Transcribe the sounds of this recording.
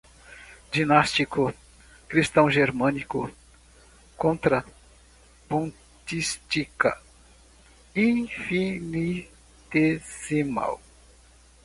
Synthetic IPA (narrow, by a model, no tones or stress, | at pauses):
d͡ʒinast͡ʃikʊ | kɾist̪ɐ̃w̃ʒeɾmɐ̃nikʊ | kõnt̪ɾɐ | põ | t͡ʃ̪ist͡ʃikɐ̰ | ĩfini | t̪ezima̰w